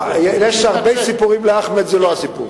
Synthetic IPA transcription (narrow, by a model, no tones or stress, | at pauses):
ɛjɛʃaʁbeɪsipuʁimlɪaχmɛzeloasipṵʁ